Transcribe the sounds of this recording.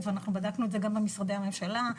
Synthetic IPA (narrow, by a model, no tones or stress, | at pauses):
veanaχnubad̪aknuetze̞ɡambemisʁad̪e̞jame̞mʃala